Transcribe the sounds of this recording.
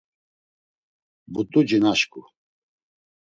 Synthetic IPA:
but̪ʼud͡ʒinaʃkʼu

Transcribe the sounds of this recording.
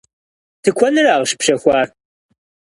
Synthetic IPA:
tʰɨkʷʰɔnɨraːʁəʃpɕɐxʷɑːr

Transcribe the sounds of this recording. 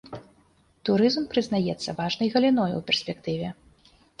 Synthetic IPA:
t̪uɾɨzmpɾɨznajɛt̪sːɐvaʐnɐjɣɐlʲinɔj̰wpʲɛrsʲpʲɛkt̪ɨvʲɛ

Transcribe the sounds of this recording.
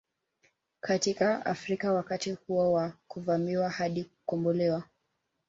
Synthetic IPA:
kʰatikaa̰fɾikawakatihuɔwakuvamiwahaɗiukɔmbɔlɛwa

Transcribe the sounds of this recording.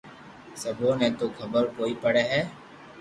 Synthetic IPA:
səbʱoːnẽt̪okʰəbəɾkoːipəɽeɦɛː

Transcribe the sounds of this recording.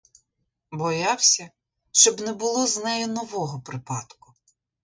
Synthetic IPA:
bɔjɑwsʲɐ | ʃt͡ʃɔbnɛbʊlˠɔznɛjɛnɔʋɔɦɔpɾɪpɑd̪kʊ̥

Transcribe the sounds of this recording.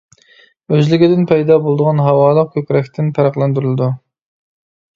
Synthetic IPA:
øzlɪɡʲɪd̪ɪnpʰɛjd̪ɑbolˠd̪əʁɑnɦɑwɑːlˠəq̚kʲʰøkʲɾɛkʲt̪ʰɪnpʰæɾɑqlˠɛnd̪yɾylɪd̪u

